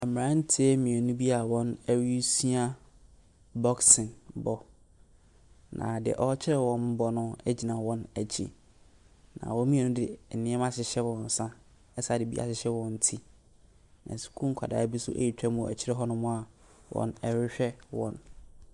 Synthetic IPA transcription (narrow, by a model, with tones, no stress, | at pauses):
ɛ˨m˨ã˦n̩˦tʰi˦e˦mɪ̃˨ɛ˨nũ˦bi˦a˨wɔ̃˦næ˦ɥi˦si˦a˦ | bɔ˦ksɪ̃˨nbɔ˦ | nã̰˨dɪ̰˨ʔɔ˦t͡ɕʰɪ˦ɾɛ˨wɔ̃˦m˦bɔ˦nʊ̃˦ɛ˦d͡ʑi˨nã˨wɔ̃˦næ˨t͡ɕʰḭ˦ | nã̰˨wɔ̃˦mĩ˦ɛ˨nʊ̃˦dɪ˨nɪ̃˦ɛ˦ã˦ɕɪ˨ɕɛ˦wɔ̃˨n˨sã˦ | ɛ˦sa˨dɪ˨bḭ˦ʔa̰˨ɕɪ˨ɕɛ˦wɔ̃˦n̩˦tʰi˦ | nã̰˨su̥˨kʰũ˦kʰa̰˨da̰ː˨˦bi˦sʊ̰˦ʔæ̰˦ji˨tʰᶣa˦mũ˨ɛ̰˨t͡ɕʰɪ˦ɛ˦ɦɔ˦nʊ̃˦mʊ̃˦a˨ | wʔɔ̰̃˦nɛ˦ɾɪ˦ɕᶣɛ˦wɔ̰̃˨n